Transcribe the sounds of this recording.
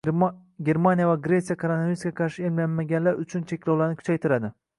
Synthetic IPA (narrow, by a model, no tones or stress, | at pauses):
ɡʲe̞ɾmanijavaɡɾe̞t̪sijakʰaɾonaviɾskʲakʰɑɾʃɪemlanmaɡʲanlaɾʊt͡ʃʰʊnt͡ʃʰe̞kʲlawlaɾnɪkʰʊ̥t͡ʃʰajt̪ʰɪɾad̪ɪ